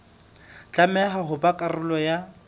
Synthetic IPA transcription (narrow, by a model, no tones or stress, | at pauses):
t͡ɬʼamɛɦaɦʊbakʼarʊlɔja